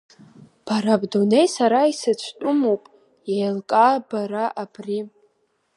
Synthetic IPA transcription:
b̥aɾabdone̞jsaɾaisɨt͡ɕʷʰtʼʊmowpʼ | jajlkʼabaɾaʔab̥ri

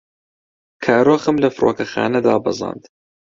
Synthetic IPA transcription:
kʰaːɾoːxɨmlɐfɨɾʔo̰ːkɐxa̰ːnɐd̪aːbɨzˤɑ̰ːnd̪

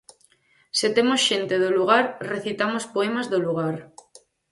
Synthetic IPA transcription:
set̪emosʃent̪eð̞oluɣaɾreθit̪amospoemazðoluɣ̞aɾ

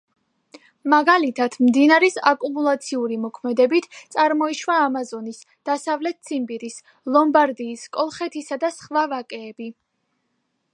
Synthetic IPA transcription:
maɡalit̪ʰat̪ʰmd̪inaɾɛsakʼumulˠat̪sʰiuɾimɔkʰmɛd̪ɛbit̪ʰt̪sʼaɾmɔiʃvaːmazɔnis | d̪̥asavlɛt̪̚sʰimbiɾis | lˠɔmbaɾd̪iːskʼɔlˠχɛt̪ʰisad̪asχvavakʼɛːbi

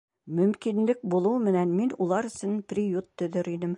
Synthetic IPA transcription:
mɵ̆mkinlɘk̚bulˠuwmɘ̆nænminulˠɑɾɵ̆sɘnprʲijut̪ːɵ̆ðɘɾinɘm

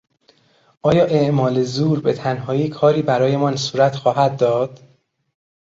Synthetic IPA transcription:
ʔɒːjɒːʔeʔmɒːlezuːɾbe̞t̪ʰænɦɒːiːkʰɒːɾiːbæɾɒːje̞mɒnsuːɾæt̪xɒːɦæd̪̚ːɒːd̪̥

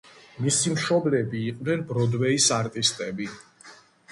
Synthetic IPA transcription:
misimʃɔblɛbiːqʼvnɛnbɾɔd̪wɛisaɾt̪ʼist̪ʼɛbi

